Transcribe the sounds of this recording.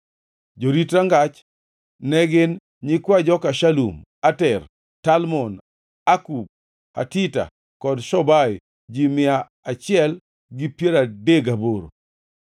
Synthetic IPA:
d͡ʒoɾitɾaŋɡat͡ʃ | nɛɡɪn | ɲɪkwad͡ʒɔkaʃalṵm | atɛr | talmɔn | akub̚ | a̰tita̰ | kɔdʃɔbaj | d͡ʒimɪa | at͡ʃɪɛl | ɡɪpjeɾadeɡaboɾo̰

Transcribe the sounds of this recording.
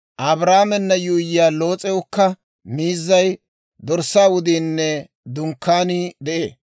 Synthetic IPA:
ʔɐbɾaːmɛnːɐjʊjɪjaːlo̞ːt͡sʼɛwʊkːɐ | miːzːɐj | d̪ɔɾsːaːwʊd̪iːnːɛ | d̪ʊŋkːaːnid̪ɛʔeː

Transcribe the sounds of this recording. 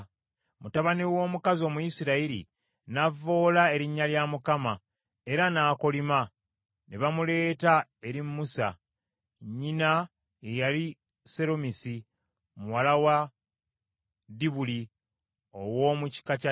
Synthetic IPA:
mutaβaniwo̞ːmukazo̞ːmujisiɾaiɾḭ | navo̞ːlae̞ɾiɲːaljamukama | e̞ɾanaːko̞lima | neβamule̞ːtae̞ɾimːusa̰ | ɲːina | ejali | se̞ɾomisi | muwalawa | diβuli | owo̞ːmuci̥kaca

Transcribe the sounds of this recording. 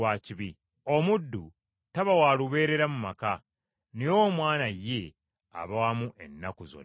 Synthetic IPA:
waːciβi | o̞mudːu | taβawaːluβe̞ːɾe̞ɾamumaka | newo̞mwaːnaje̞ | a̰βawamuʔe̞nːakuzo̰

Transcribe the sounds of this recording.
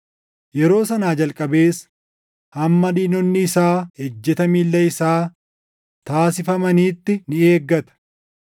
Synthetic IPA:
jɛɾo̞ːsɐnaːd͡ʒɐlkʼɐbe̞ːs | hɐmːɐd̪iːnɔnːɪːsaːhed͡ʒːɛt̪ɐmiːlːɛɪsaː | t̪aːsɪfɐmɐniːt̪ːɪnɪe̞ːɡːɐt̪ɐ̥

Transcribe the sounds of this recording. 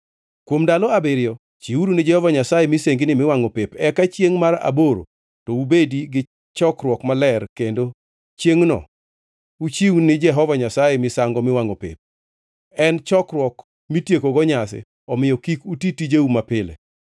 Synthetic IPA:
kwomdalɔabɪɾɪjɔ | t͡ʃiuɾunɪd͡ʒɛhɔvaɲasajemɪseŋɡinɪmɪwaŋopepɛkat͡ʃjeŋmaɾa̰boɾo̰ | tɔubediɡɪ | t͡ʃɔkɾwɔkmalɛrkendo | t͡ʃjeŋnɔ̰ | ut͡ʃiwnɪd͡ʒɛɦɔvaɲasajemɪsaŋɡɔmɪwaŋopḛp̚ | ɛnt͡ʃɔkɾwɔk | mitjekoɡɔɲasɛ̰ | ɔmɪjɔkikutitid͡ʒeumapɪlḛ

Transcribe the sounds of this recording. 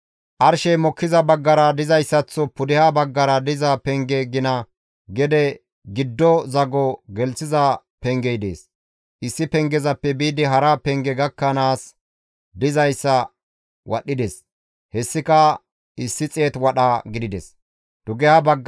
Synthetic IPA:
ʔɐɾʃɛjmɔkːɪzɐbɐɡːɐɾɐd̪ɪzɐjsːɐt͡sːɔpʊd̪ɪhabɐɡːɐɾɐd̪ɪzɐpɛŋɡɛɡɪnɐ | ɡɛd̪ɛ | ɡɪd̪ːɔzɐɡɔɡɛlsɪzɐ | pɛŋɡɛjd̪ḛːs | ʔɪsːɪpɛŋɡɛzɐpːɛbiːd̪ɪɦɐɾɐpɛŋɡɛɡɐkːɐnaːs | d̪ɪzɐjsːɐ | wʔɐ̰ɗːɪd̪es | hɛsːɪkɐ | ɪsːɪt͡sʼeːt̪wɐɗɐɡɪd̪ɪd̪ɛs | d̪̥ʊɡɛhabɐɡː

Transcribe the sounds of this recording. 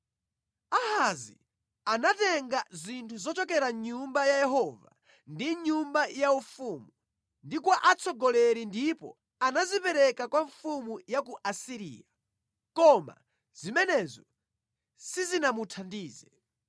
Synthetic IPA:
ahazi | anatɛŋɡazintʰuzɔt͡ʃɔkɛɾaɲumbajajɛɦɔva | ndiɲumbajaufuːmu | ndikwaʔat͡sʰɔɡɔlɛɾindipɔ̰ | anazipɛɾɛkakwaɱfumujak̬uʔasiɾḭːja | kɔma̰ | z̥imɛnɛzɔ | sizinamutʰandiːzɛ

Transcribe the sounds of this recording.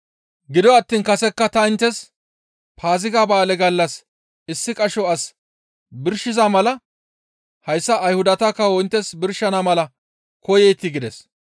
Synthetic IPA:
ɡɪd̪ɔɐt̪ːiːnkɐsɛkːɐt̪ɐɪnt̪ːɛs | pʰaːzɪɡaːbaːlɛɡɐlːɐs | ɪsːɪkʼɐʃɔɐs | bɪɾʃɪzamɐlɐ | hɐjsːɐːjhʊd̪ɐt̪ɐkːɐwɔjnt̪ːɛsbɪɾʃɐnamɐlɐ | kɔjɛjt̪ːɪɡɪd̪ɛs

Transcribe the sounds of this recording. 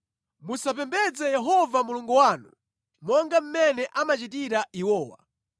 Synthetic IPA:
musap̬ɛmbɛd͡zɛjɛɦɔvamuluŋɡuwaːnu | mɔŋɡam̩mɛnɛʔamat͡ʃitiɾaiwɔːwa̰

